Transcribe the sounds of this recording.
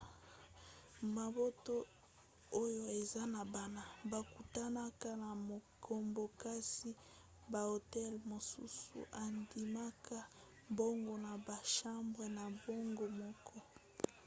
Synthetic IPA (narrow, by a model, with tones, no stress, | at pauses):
ma˨bo˦to˦ | o˦jo˦e˨za˦na˨ba˨na˨ba˨ku˨ta˦na˦ka˦na˨mo˨kʰo˨mbo˨ka˦si˦ | ba˨o˨tɛ˦lmo˨sṵ˦sṵ˨ʔa˨ndi˨ma˦ka˦ | bo˦ŋɡo˨na˨ba˨ʃa˦mbʁe˨na˨bo˦ŋɡo˨mɔ˦kʰɔ˦